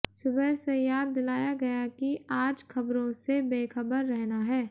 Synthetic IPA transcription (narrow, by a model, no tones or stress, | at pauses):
sʊbəɦsejaːd̪ːɪlaːjaɡɐjakiaːd͡ʒxɐbɾõsebeːxəbəɾːɛɦnaɦɛː